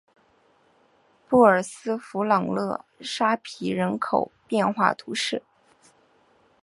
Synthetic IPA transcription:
pu˥˩ə˞˨˩sɹ̩˥fu˧˥lɑ˨˩ŋlɤ˥˧ʂa˥pʰi˧˥ɻə˧˥nkʰo˨˩ʊpjɛ˥˧nxwa̰˥˩t̪ʰu˧˥ʂɻ̩˥˩

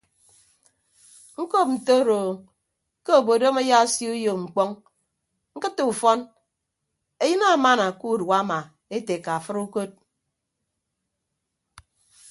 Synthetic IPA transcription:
ŋ̩˦ko˦p̚n̩˨to˦ɾoː˨ | ke˦o˨bo˨do˦me˦ja˦sji˦u˦jo˨kŋ͡m̩˨k͡pɔ˦ŋ | ŋ̩˦kɨ˦tːu˨u˨fɔ˦n | e˨˦jɨ˦na˦˨ma˦na˨ku˦˨da˦ma˨ | e˦te˨ka˨a˨fɨ˦ɾu˦ko˦t̚

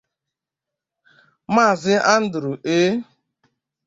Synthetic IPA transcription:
maː˦˨zɪ˦ʔa˦n̩˦dʊ˨ɾu˨ʔeː˦

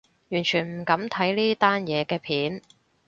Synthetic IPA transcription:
jyː˨˩nt͡ʃʰyː˨˩nm̩˨˩kɐ˨˧˥mt̪ʰɐ˨˥jliː˥t̪aː˥njɛː˨˧kɛː˧pʰiː˨˥n

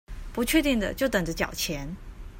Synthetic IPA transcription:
pu˧˥t͡ɕʰɥɛ˥˧t̪i˥˩ŋd̪ə̰˩t͡ɕjo˥˩ʊt̪ə˨˩ŋʈ͡ʂə˦t͡ɕjɑ̰˨˩ʊt͡ɕʰjɛ˧˥n

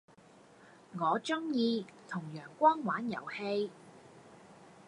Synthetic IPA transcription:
ŋɔː˨˧t͡ʃʊ˥ŋjiː˧t̪ʰʊ˨˩ŋjœː˨˩ŋkʷɔː˥ŋwaː˨˥njɐ̰˨˩whe˧j

